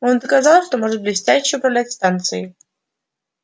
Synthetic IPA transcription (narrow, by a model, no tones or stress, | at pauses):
o̞nd̪əkɐzɑlˠʂt̪omoʐɨt̪̚blʲɪsʲtʲæɕːɪʊpɾɐvlʲætʲst̪ant̪sɨ̰ɪ